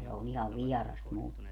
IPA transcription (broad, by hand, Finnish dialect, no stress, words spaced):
se on ihɑʋ ʋiɛrɑs mulːe